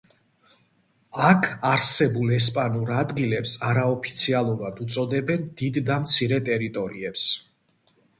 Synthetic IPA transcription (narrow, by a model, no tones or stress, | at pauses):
akʰaɾsɛbulˠɛs̬pʼanuɾad̪ɡilɛpsaɾaɔpʰi̥t̪sʰialˠuɾad̪ut̪sʼɔd̪ɛbɛnd̪̥id̪ːamt̪sʰiɾɛt̪ʼɛɾit̪ʼɔɾiɛps